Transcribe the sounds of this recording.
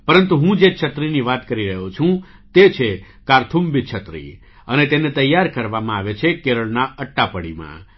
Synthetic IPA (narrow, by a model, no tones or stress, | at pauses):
pəɾənt̪uɦũd͡ʒeʃʰət̪ɾiniʋat̪kəɾiɾəɦot͡ʃʰũ | t̪et͡ʃʰe | kaɾt̪ʰumbit͡ʃʰət̪ɾḭ | ənet̪enet̪əjːaɾkəɾʋamãaʋet͡ʃʰekeɾəɭnaəʈːapəɽḭmã̰